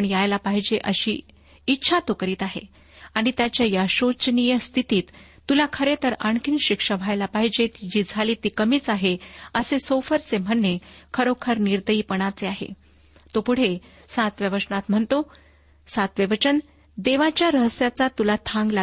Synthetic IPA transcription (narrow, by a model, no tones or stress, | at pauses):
ɳjajlapaɦid͡ʑeʔəɕḭː | itːɕʰat̪okəɾiːt̪aɦḛ | aɽ̃it̪jat͡ɕjajaɕot͡ɕnijəst̪ʰit̪iːt̪ː | ulakʰəɾet̪əɾəɳkʰinɕikʂəʋʱajlapaɦid͡ʑet̪id͡ʑiːd͡zʱaliːt̪ikəmiːt͡saɦeəsesofəɾt͡sem̤əɳːekʰəɾokʰəɾniɾd̪əiːpəɽ̃at͡seaɦḛ | t̪opuɽ̤e | sat̪ʋjəʋəʂɳat̪m̤əɳt̪o | sat̪ʋjəʋət͡ɕən | d̪eʋat͡ɕjaɾəɦəsjat͡sat̪ulat̪ʰãŋɡla